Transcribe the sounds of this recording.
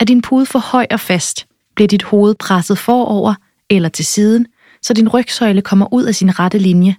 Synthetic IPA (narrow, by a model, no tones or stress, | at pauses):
ædinpʰuːðˠfɒ̽hɒ̽ɪ̰ɒ̽fæsd̥ | b̥liɐd̥id̥ho̝ːð̞̩ˠpʰʁasð̞̩ˠfɒːɒʊ̰ɐ | elɐt͡sʰe̝lsiːð̞ˠən̩ | sɒ̽dinʁœɡ̥sɒ̽ɪləkʰɒ̽m̰ɐʔuð̞̰ˠæsinʁad̥əlinjə